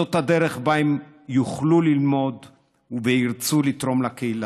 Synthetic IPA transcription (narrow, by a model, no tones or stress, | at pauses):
ot̪had̪e̞ʁeχbaem | juχlulilmo̞d̪ | uveiʁt͡sulit̪ʁo̞mlakeila